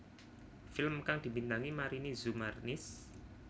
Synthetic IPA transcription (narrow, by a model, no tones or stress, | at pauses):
fɪlmkaŋd̪̥i̤bint̪aŋimaɾinizumarnɪs